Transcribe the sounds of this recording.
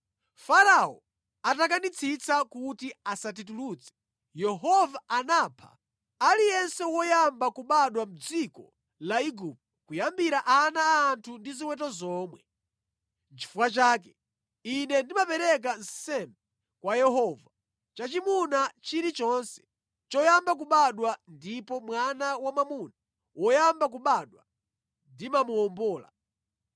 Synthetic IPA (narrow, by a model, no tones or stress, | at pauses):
faɾaɔ̰ | atak̬anit͡sʰit͡sakutiasat̬ituluːt͡sɛ̥ | jɛɦɔvaanaːpʰa̰ | alijɛnsɛwɔjambakuɓaɗwam̩d͡zikɔ̰ | laiɡup̚tɔkujambiɾaʔanaːntʰundiziwɛt̬ɔzɔːmwɛ | t͡ʃi̥fuwat͡ʃaːk̬ɛ | inɛndimapɛɾɛk̬an̩ssɛmbɛ | kwajɛɦɔva | t͡ʃat͡ʃimunat͡ʃiɾit͡ʃɔnsɛ̥ | t͡ʃɔjambak̬uɓaɗwandipɔmwanawamamuna | wɔjambak̬uɓaɗwa | ndimamuɔmbɔːla̰